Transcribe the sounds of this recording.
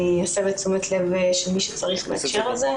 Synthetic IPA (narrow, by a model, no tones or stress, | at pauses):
iasebet͡sumet̪levʃelmiʃe̥t͡saʁiχmḛakʃeʁalze